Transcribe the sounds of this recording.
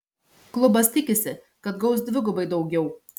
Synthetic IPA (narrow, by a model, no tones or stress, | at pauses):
klˠʊbɐst̪ʲɪkʲɪsʲɪ | kɐt̪ɡɐʊsd̪ʲʋʲɪɡʊbɐɪd̪ɐʊɡʲɛʊ